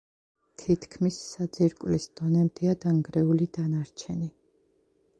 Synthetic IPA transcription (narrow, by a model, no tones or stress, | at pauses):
t̪ʰit̪ʰkʰmisːad̪ziɾkʼwlisd̪̥ɔnɛmd̪iad̪aŋɡɾɛulid̪anaɾt͡ʃʰɛni